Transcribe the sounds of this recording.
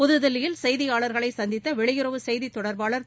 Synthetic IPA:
pʊðɯðɐlɪjɪlsɛjðɪjaːɭɐɾɣɐɭɐɪsɐnd̪ɪt̪ːɐʋɛɭɪjɪɾɐʋɯsɛjðit̪ːɔɽɐɾbaːɭɐɾ

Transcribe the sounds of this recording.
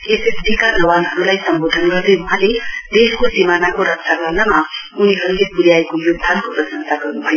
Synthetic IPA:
esesdʱikanʌwanɦʌɾulajsʌmbod̪ʱʌnɡʌrd̪ʌuɦãled̪eskosimanakoɾʌksʰaɡʌɾnama | uniɦʌɾulepuɾjaekojoɡ̚d̪ʱankoprʌsʌnsaɡʌrnubʱʌjo

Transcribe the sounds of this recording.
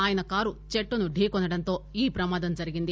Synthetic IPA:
aːjɐnɐkaːɾut͡ʃeʈːunuɖʱiːkonːɐɽɐnt̪o̞ːiːpɾɐmaːd̪ɐmd͡ʒɐɾiɡind̪i

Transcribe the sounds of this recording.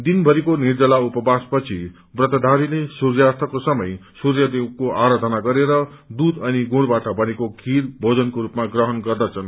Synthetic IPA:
d̪inbʱʌɾikonird͡zʌlaupʌbaspʌt͡sʰi | brʌt̪ʌd̪ʱaɾilesurjart̪ʰʌkosʌmʌ̰jsuɾjʌd̪ikoʔaɾad̪ʱʌnaɡʌɾeɾʌd̪ud̪ʌniɡũɽbaʈʌbʌnekoɡʱirbʱod͡zʌnkoɾupmaɡrʌɦʌnɡʌrd̪ʌt͡sʰʌn

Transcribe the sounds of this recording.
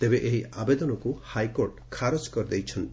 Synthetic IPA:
t̪ebeʔeɦiabed̪ɔnɔkuhajkoɾʈkʰaɾɔd͡ʒkɔɾd̪ejt͡ʃʰɔnt̪i

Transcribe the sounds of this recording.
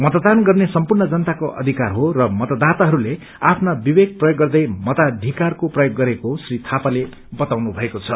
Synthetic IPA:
mʌt̪d̪anɡʌrnesʌmpurnʌd͡zʌnt̪akoʔʌ̰d̪ʱikarɦorʌmʌt̪ʌd̪at̪aɦʌɾule | apʰnabibeɡ̚prʌjoɡːʌrd̪ʌjmʌt̪ad̪ʱikarkoprʌjoɡːʌɾekosrit̪ʰapale | bʌt̪awnubʱʌekot͡sʰʌ

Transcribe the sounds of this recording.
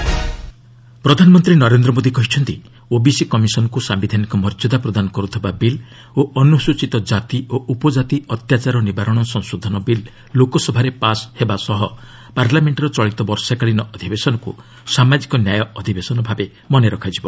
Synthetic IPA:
pɾɔd̪ʱanɔmɔnt̪ɾinɔɾend̪ɾɔmod̪ikɔɦit͡ʃʰɔnt̪i | obisikɔmisɔnɔkusambid̪ʱanikɔmɔɾd͡ʒɔd̪apɾɔd̪anɔkɔɾut̪ʰibabil | oɔnusut͡ʃit̪ɔd͡ʒat̪ioʔupɔd͡ʒat̪iɔt̪jat͡ʃaɾɔnibaɾɔɽ̃ɔsɔŋsod̪ʱɔnɔbilː | okɔsɔbʱaɾepashebasɔɦɔ | paɾlameɳʈɾɔt͡ʃɔɭit̪ɔbɔɾsakaɭinɔʔɔd̪ʱibesɔnɔkṵ | samad͡ʒikɔnjajɔɔd̪ʱibesɔnɔbʱabe | mɔneɾɔkʰad͡ʒibɔ

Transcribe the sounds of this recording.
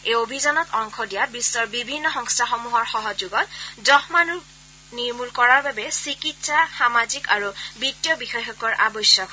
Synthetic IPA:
eobʱizanɔtɔŋkʰɔdijabisːɔɹbibʱinːɔxɔŋstʰaxɔmuɦɔɹxɔɦɔd͡ʒuɡɔtdɔhmanu | niɹmulkɔɹaɹbabɛsikitsaxamazikaɹubitːijɔbixɔjxɔkɔɹʔa̰bɔsjɔk

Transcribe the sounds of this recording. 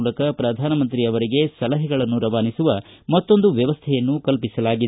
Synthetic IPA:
lɐkɐpɾɐd̪ʱaːnɐmɐnt̪ɾiɐʋɐɾiɡe̞sɐlɐɦɛɡɐɭɐnːuɾɐʋaːnisuʋɐmɐt̪ːo̞nd̪uʋjɐʋɐst̪ʰɛjɐnːukɐlpisɐlaːɡid̪

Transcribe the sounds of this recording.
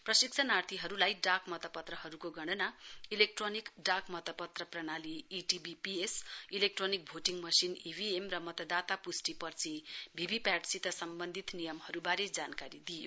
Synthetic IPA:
prʌsik̚t͡sʰʌnart̪ʰiɦʌɾulajɖakmʌt̪ʌpʌt̪rʌɦʌɾukoɡʌɽ̃ʌnailek̚ʈronikɖakmʌt̪ʌpʌt̪rʌprʌɽaliːʈibipiesilek̚ʈronik̚bʱoʈiŋɡmʌsinibʱiemrʌmʌt̪ʌd̪at̪apusʈipʌrt͡sʰibʱibʱipaʈsit̪ʌsʌmbʌnd̪ʱit̪nijʌmhʌɾubaɾed͡zankaɾid̪ijo

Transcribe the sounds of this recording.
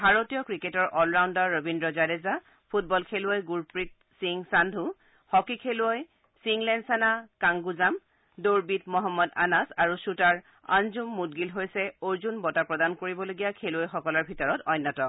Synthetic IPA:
bʱaɹotijɔkɹiketɔɹʔɔlɹawndaɹːobindɹɔzadeza | pʰut̚bɔlkʰeluɔjɡuɹpɹit̚ | siŋsandʱu | hɔkikʰeluɔj | siŋlɛnsanakaŋɡuzam | doɹbitmɔɦɔmːɔda̰nasaɹusutaɹ | a̰nzumːut̚ɡilɦojsɛoɹzunbɔtapɹɔdankoɹibɔloɡijakʰeluɔjxɔkɔlɔɹbʱitɔɹɔtɔjnːɔtɔ

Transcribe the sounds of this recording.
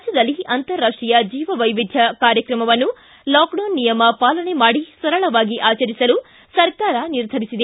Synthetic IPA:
d͡ʒjɐd̪ɐlːiɐnt̪ɐɾːaːʂʈijɐd͡ʒiːʋɐʋɐjʋid̪ʱjɐkaːɾjɐkɾɐmɐʋɐnːu | laːkɖoːnːijɐmɐpaːlɐɳe̞maːɽisɐɾɐɭɐʋaːɡiʔaːt͡ʃɐɾisɐlu | sɐɾkaːɾɐniɾd̪ʱɐɾisid̪e

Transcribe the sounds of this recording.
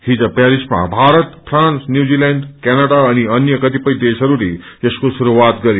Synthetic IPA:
hid͡zəpɛɾisma̰bʱaɾət̪pʰɾãnsnjud͡zilɛ̃ɳɖkɛnəɽaəñiənjəkət̪ipəjd̪esʌɾuɾe | eskosuɾuat̪ɡʌɾj

